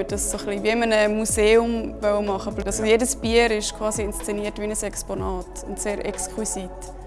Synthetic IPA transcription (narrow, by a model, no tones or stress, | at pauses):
əd̥ɑssoχliviɪmənəmuseːʊmvœwəmɑχəblɑsojedəsb̥iəɾɪʃkʰvɑːsiɪnst͡sɛniːətʋiənəsɛksponɑːtʊntseːɾʔɛ̰kskʰwisit̪